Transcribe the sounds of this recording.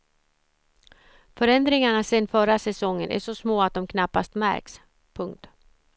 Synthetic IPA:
fœɾɛnd̪ɾɪŋaɳasɛnːfœɾasɛsɔŋːənʔæ̰ʂɔsmoːat̪̚d̪ɔmkʰnapːa̰st̪mæ̰ɾks | pʰɵŋkt̪

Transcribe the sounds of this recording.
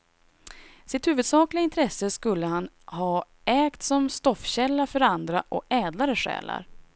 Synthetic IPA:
sɪt̪hʉ̟ːvɵd̪sɑːklɪɡaɪnt̪ʰɾɛsːəskɵlːəhan | hɑː | ɛːkt̪sɔmst̪ɔfɕɛlːafœɾand̪ɾaʔɔɛːd̪laɾəʂɛ̰ːla̰ɾ

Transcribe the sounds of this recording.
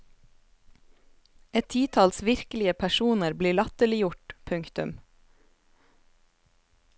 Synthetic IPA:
ɛt̪ʰiːt̪ʰɑːlsʋɪɾkəlɪəpʰæʃuːnəɾbliːɭɑt̪əlɪjʊʈpʰʉŋkt̪ʉm

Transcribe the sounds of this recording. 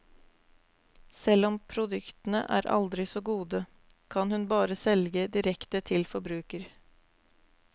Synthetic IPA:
sɛlɔmpʰɾʊd̪ʉkt̪ənə̰ʔæ̰ːɾʔɑ̰ld̪ɾɪsoːɡuːd̪ə | kʰɑnhʉnbɑːɾəsɛlɡəd̪ɪɾɛkt̪ət̪ʰɪlfɔɾbɾʉːkəɾ

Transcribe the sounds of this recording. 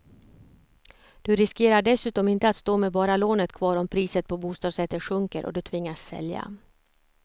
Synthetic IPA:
d̪̥ɵɾɪskeːɾaɖɛsʉ̟ːt̪ɔmɪnt̪əat̪st̪oːmɛbɑːɾaloːnət̪kʰvɑːɾɔmpʰɾiːsət̪̚pʰɔbuːst̪ɑːd̪sɛt̪ːəɧɵŋkəɾʔɔ̰d̪ɵt̪ʰvɪŋːasːɛ̰lja̰

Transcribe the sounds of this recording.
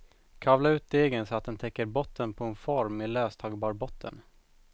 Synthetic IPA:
kʰavlaʉːt̪̚d̪eːɡənsɔat̪̚d̪ɛnt̪ʰɛkːəɾbɔt̪ʰːənpʰɔɛnfɔɾmɪløːst̪ʰɑːɡbɑːɾbɔt̪ʰːə̰n

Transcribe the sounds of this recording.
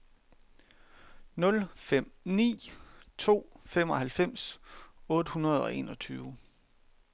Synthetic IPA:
nɔ̽lfem̰nḭːt͡sʰo̝̰ːfem̰ɒ̽hælfem̰sɔ̽ːd̥əhunɐð̞ˠɒ̽ʔe̝̰ːnɒ̽t͡sʰyːʊ

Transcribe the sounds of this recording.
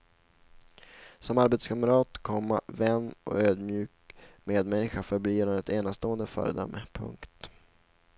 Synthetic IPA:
sɔmaɾbet̪skʰaməɾɑːt̪kʰɔmːa̰vɛnːʔɔ̰øːd̪mjʉ̟ːkmeːd̪mɛnːɪɧafœɾbliːɾɛt̪eːnast̪oːənd̪əfœ̰ːɾə̰d̪œ̰mːəpʰɵ̰ŋkt̪

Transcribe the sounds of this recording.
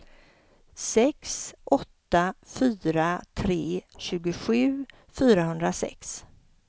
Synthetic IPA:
sɛksʔɔt̪ːafyːɾat̪ʰɾeːɕʉ̟ːɡʊɧʉ̟ː | fyːɾahɵnd̪ɾasɛ̰ks

